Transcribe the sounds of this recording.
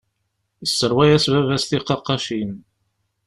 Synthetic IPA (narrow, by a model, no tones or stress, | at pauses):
əsːəɾwæjæsvævæsθiqːɑqːɑʃin